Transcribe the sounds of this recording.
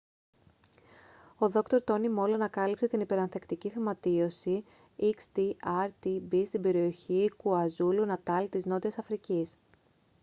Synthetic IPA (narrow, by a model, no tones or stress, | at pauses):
o̞ðo̞kt̪o̞ɾt̪o̞nimo̞lonɐkɐlipse̞t̪inipe̞ɾɐnθe̞kt̪icifimɐt̪io̞si | ikst̪iɐɾt̪ibist̪ibe̞ɾio̞çikuɐzulunɐt̪ɐlt̪izno̞t̪iɐsɐfɾicis